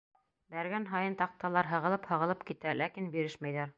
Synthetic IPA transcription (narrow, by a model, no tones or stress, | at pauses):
bæɾɡænɦɑjɤnt̪ɑq̚t̪ɑlˠɑɾɦɤ̆ʁɤ̆lˠɤphɤ̆ʁɤ̆lˠɤpkit̪ælækinbiɾɘʃmæjðæɾ